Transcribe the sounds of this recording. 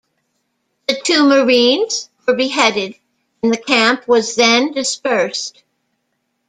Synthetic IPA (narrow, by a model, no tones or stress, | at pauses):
ðɨtʰʉmə˞ĩnz̥wə˞bɨɦɛɾɪd̃ | nðɨkʰæ̃mpʰwʌzðɨ̃ndɨspɜ˞st̚